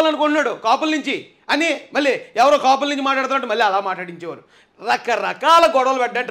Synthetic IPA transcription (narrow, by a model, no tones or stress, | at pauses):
lɐnukoɳʈunːaːɽukaːpulnuɲt͡ʃi | ɐnimɐlːiɛʋɐɾoːkaːp̬ulniɲt͡ʃimaːʈlaːɽt̪unːɐʈːumɐlːiɐlaːmaːʈlaːɽiɲt͡ʃɛːʋa̰ːɾu | ɾɐkɐɾɐkaːlɐɡɔɽɐʋɐlɐpɛʈːɐʈ